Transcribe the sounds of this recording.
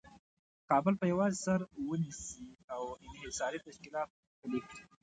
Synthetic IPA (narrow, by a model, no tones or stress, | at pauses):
kɑbəlpəjawɑzɪsaɾwənisiawɪnɦɪsɑɾit̪aʃkɪlɑt̪̚ | pəlexɽi